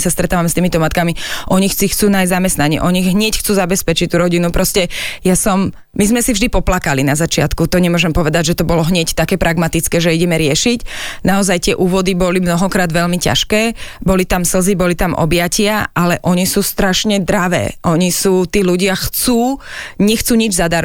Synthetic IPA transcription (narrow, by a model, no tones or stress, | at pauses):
sast̪ɾɛt̪aːʋamɛst̪iːmit̪ɔmat̪kamiʔɔɲixt͡sixt͡suːnajzamɛst̪naɲɛ̰ʔɔɲiːɣɦɲɪɛcxt͡suːzabɛspɛt͡ʃic̚t̪uːɾɔɟinupɾɔscɛjasɔm | mizmɛsivʒd̪ipɔplakalinazat͡ʃɪat̪kut̪ɔɲɛmʊɔʒɛmpɔʋɛd̪aɟʒɛt̪ɔbɔlɔɦɲɛct̪akɛːpɾaɡmat̪it͡skɛːʒɛiɟɛmɛɾɪɛʃicnaɔzajt̪ɪɛʔuːʋɔd̪ibɔlimnɔɦɔkɾaːd̪ʋɛʎmica̰ʃkɛːbɔlit̪amsl̩zibɔlit̪amʔɔ̰bɪacɪaʔalɛʔɔɲisuːst̪ɾaʃɲɛd̪ɾaʋɛ̰ːʔɔɲisuːt̪iːluɟɪaxt͡suːɲɛxt͡suːɲid͡ʒzad̪aɾ